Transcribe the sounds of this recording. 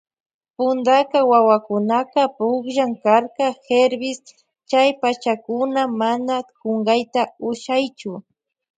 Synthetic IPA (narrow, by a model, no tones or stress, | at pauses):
pʊnd̪akawawakʊnaqɑpʊkʒaŋkaɾkaxeɾbɪs | t͡ʃajpat͡ʃakʊnamanakoŋɢɑjt̪aʊʃajt͡ʃʊ